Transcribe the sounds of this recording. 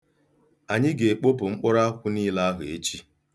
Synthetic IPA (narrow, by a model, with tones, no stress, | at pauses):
a˨ɲɪ˦ɡe˨k͡po˦pʊ˨ŋ͡m̩˦k͡pɔ˦ɾa˦kʷʊ˦niː˦la˦a˦ɦʊ˨e˦t͡ʃi˦